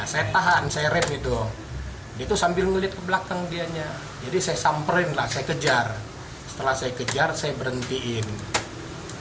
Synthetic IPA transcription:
nasajat̪aɦansajaɾɛmɡit̪ɔ | diat̪usambɪlməliat̪̚kəblakaŋdiaɲa | d͡ʒadisajasampɾɛnlahsajakəd͡ʒar | sə̥t̪əlahsajakəd͡ʒarsajabəɾənt̪iʔɪn

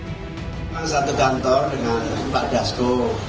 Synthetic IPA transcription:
maŋsat̪uɡant̪ɔrdəŋanpaʔɖ̥asko

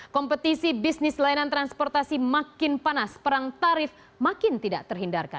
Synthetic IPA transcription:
kɔmpət̪isibisnɪslainant̪ɾanspɔrt̪asimakɪnpanaspəɾaŋt̪aɾɪf | makɪnt̪idaʔt̪ərɦindarka̰n

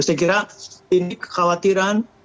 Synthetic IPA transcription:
usɛk̬iɾainɪkxawat̪iɾan

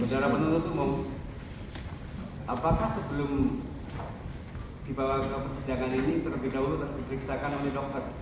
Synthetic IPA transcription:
bədaɾapənunt̪ut̪uma | ʔapakahsəbəlʊm | d̥ibawaɡapərsid͡ʒaŋaninit̪ərbedaɦulut̪andipəɾiksakanolɛdɔk̚t̪ər

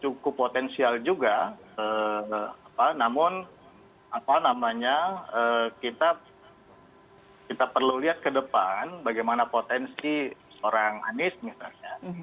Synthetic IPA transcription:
t͡ʃukʊpːot̪ɛnsiald͡ʒuɡaə | apanamʊn | apanamaɲaəːkit̪a | kit̪apərluliɦat̪̚kədəpanbaɡajmanapot̪ɛnsi | oɾaŋa̰nɪsmisa̰lɲa

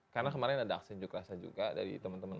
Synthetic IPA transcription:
karnakəmaɾɪnadaaksiɲd͡ʒʊkɾasad͡ʒṵɡada̰ɾḭt̪əmənt̪əmən

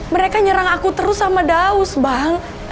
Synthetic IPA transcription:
məɾekaɲəɾaŋakut̪əɾʊsamadaʊsbaŋ

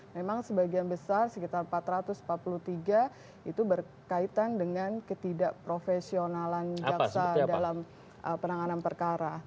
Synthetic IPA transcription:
memaŋsəbaɡianbəsarsəkit̪armpat̪ɾat̪ʊsm̩pat̪̚pulut̪iɡa | it̪ubər | kait̪andəŋankət̪idaʔpɾofesionaland͡ʒasadalam | ʔəpənaŋananpərkaɾa

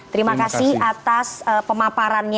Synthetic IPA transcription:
t̪əɾimakasɪhat̪asəpəmapaɾanɲ

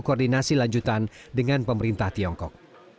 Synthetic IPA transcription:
kordinasilaɲd͡ʒut̪andəŋanpəməɾint̪aht̪iɔŋkɔ̰k̚

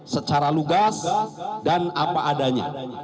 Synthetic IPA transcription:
sət͡ʃaɾaluɡasdanapaʔːdaɲa̰

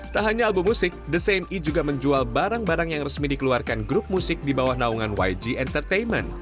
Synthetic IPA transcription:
t̪aɦaɲaːbumːusɪk̚dəsemid͡ʒuɡaməɲd͡ʒualbaɾaŋbaɾaŋjaŋrəsmidikəluarkanɡɾʊp̚musɪk̚dibawahnauŋanwa̰jd͡ʒiɛnt̪ərt̪ejnmɛ̰n

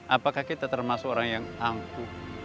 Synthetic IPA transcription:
ʔapakahkit̪at̪ərmasʊkoɾaŋjaŋaŋku

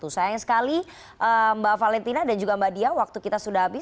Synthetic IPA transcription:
t̪usajaaŋsə̥kali | ʔəmbafalɛnt̪inadand͡ʒuɡambadiawak̚t̪ukit̪asudaɦabɪ

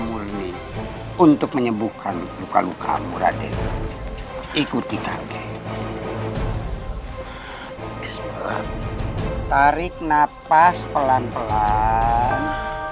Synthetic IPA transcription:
murni | unt̪ʊk̚məɲəbukanlukaluka̰muɾa̰dɛ̰ | ikut̪ikaɡɛh | s | t̪aɾɪk̚napaspəlanpəla | n

